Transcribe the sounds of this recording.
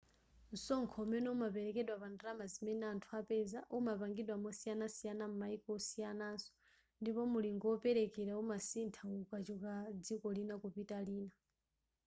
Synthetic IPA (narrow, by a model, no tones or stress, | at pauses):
nsɔŋkʰɔmɛnɛumapɛɾɛkɛɗwapandiɾamazimɛnɛantʰuapɛzaʔumapaŋɡiɗwamɔsijanasijanam̩maikɔɔsijanaːnsɔ̥ | ndipɔmuliŋɡɔɔpɛɾɛkɛɾaumasintʰaukat͡ʃukad͡zikɔlinakupitaliːna